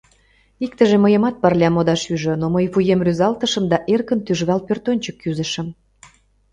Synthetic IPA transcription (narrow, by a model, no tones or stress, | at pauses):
ik̚t̪ə̆ʒĕməjə̆mɑt̪̚pɑrlʲɑmod̪ɑʃyʒə̆noməjfujemryzɑlt̪əʃə̆md̪ɑʔerkənt̪yʒβɑlpørt̪onʲt͡ɕəkːyzə̆ʃə̆m